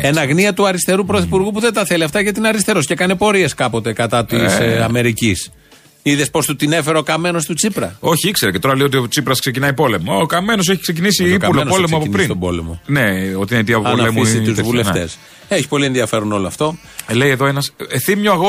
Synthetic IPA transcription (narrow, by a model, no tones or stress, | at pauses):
enɐɣniɐt̪uɐɾist̪e̞ɾupɾoθipuɾɣupuðe̞nt̪ɐθeliɐft̪ɐʝɐt̪inɐɾist̪e̞ɾoscekɐnepo̞ɾie̞skɐpo̞t̪e̞kɐt̪ɐt̪isɐ̰me̞ɾicis | iðespo̞st̪ut̪ine̞fe̞ɾɐokɐme̞no̞st̪ut͡sipɾɐ̰o̞çiikse̞ɾece̞t̪o̞ɾɐlejot̪iot͡sipɾɐskse̞cinɐipo̞le̞mokɐmenos̬eçikse̞c̬inisiipulonpolemoɐpoinpiɾsint̪obo̞̰lḛmo̞̰neot̪inet̪iɐpoɐonɐefmisit̪uzvuleft̪e̞̰s | eçi̥po̞lienðiɐfe̞ɾuno̞loɐft̪o̞ | lejeðo̞enɐsθimɲoɐɣo